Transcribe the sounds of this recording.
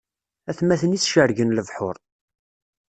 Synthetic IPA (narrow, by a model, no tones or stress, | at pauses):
æθmæθənisʃəɾʝənləvħʊɾˤ